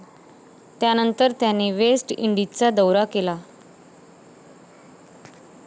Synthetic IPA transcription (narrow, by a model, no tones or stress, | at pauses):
t̪janənt̪əɾt̪janːiːʋesʈḭɳɖit͡sad̪əwɾakela